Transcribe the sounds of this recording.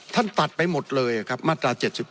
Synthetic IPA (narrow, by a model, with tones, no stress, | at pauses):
t̪ʰa˥˩nt̪a˨˩t̪̚pa˧jmo˨˩t̪̚lɤː˧jʔa˨˩kʰa˦˥p̚maː˥˩t̪ɾaː˧t͡ɕe˨˩t̪̚si˨˩p̚